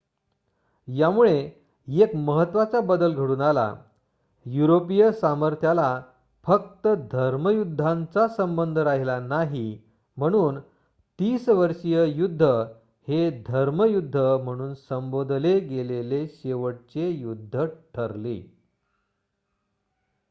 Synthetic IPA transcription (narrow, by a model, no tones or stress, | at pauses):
jamuɭe | jekməɦət̪ːʋat͡sabəd̪əlɡʱəɽuːnala̰ | juɾopijəsaməɾt̪ʰjala | fək̚t̪əd̪ʱəɾməjud̪ʱːant͡sasəmbənd̪ʱəɾaɦilanaɦi | m̤əɽ̃uːn | t̪iːsʋəɾʂijəjud̪ʱːə | hed̪ʱəɾməjud̪ʱːəm̤əɽ̃uːnsəmbod̪ʱleɡeleleɕeʋəʈ̚t͡ɕejud̪ʱːəʈʰəɾlḭ